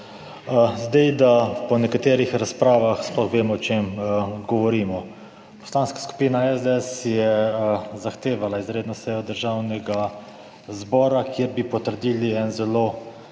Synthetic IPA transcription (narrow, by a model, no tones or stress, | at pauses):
zd̪ɛjd̪apɔnɛkat̪eːɾixɾaspɾaːʋaxsplɔxʋeːmɔːt͡ʃemɡɔʋɔɾiːmɔ | pɔ̥slaːnskḁsku̥piːnaɛzd̪eɛsjɛzaxt̪eːʋalaizɾeːd̪nɔsɛjɔd̪əɾʒaːwnɛɡa | zbɔːɾakjiɾbipɔt̪əɾd̪iːliɛnzɛloː